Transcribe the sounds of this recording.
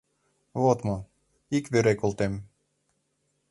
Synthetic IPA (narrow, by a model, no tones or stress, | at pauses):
βot̪mɤ | ikβeɾekolt̪em